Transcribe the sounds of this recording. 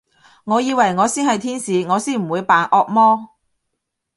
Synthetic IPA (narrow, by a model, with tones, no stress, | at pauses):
ŋɔː˨˧jiː˨˧wɐ˨˩jŋɔː˨˧siː˥nhɐ˨jt̪ʰiː˥nsiː˨˧ŋɔː˨˧siː˥nm̩˨˩wuː˨˧jpaː˨˧nʔɔː˧k̚mɔː˥